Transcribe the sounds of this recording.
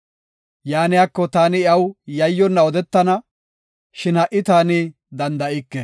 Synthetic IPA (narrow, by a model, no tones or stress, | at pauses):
jaːnɪjaːkːɔt̪aːnɪɐwjɐjːɔnːɐɔd̪ɛt̪ːɐnɐ | ʃɪnhɐʔɪt̪aːnɪ | d̪ɐnd̪ɐʔɪkːɛ